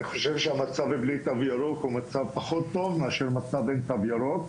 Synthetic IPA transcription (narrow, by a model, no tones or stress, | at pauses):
iχoʃevʃeamat͡saveblit̪avjaɾokhumat͡savpaχo̞t̪ːo̞vmeaʃeʁmat͡savent̪avjaʁok